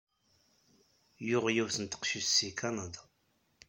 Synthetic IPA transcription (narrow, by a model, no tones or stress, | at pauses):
jʊʁjæwθənt̪ə̥qʃissːikʰanad̪ɑ̥